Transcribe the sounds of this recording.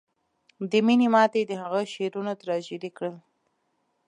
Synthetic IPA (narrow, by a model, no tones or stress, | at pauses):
d̪əminemɑt̪ed̪əhaɣəʃeɾunot̪ɾɑd͡ʒeɾikɽəl